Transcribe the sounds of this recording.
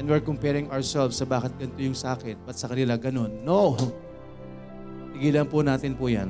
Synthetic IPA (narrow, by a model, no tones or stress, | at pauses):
ɛnd̪wɪɹkompɛɹɪŋʔaɹsɛlfsːɐbaːkɐt̪̚ɡɐnt̪ojʊŋsɐʔaːkɪnbɐt̪̚sɐkɐnɪlaɡɐno̞nːoʔ | t̪ɪɡiːlɐnpʊnaːt̪ɪnpʊja̰n